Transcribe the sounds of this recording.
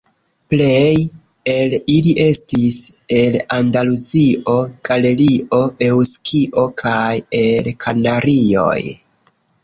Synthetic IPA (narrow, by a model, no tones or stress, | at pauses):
ple̞j | eliliʔe̞stise̞landaluziʔo̞ɡ̥ale̞liʔo̞ʔe̞wskʰiʔo̞kʰaje̞lkʰanaɾio̞̰j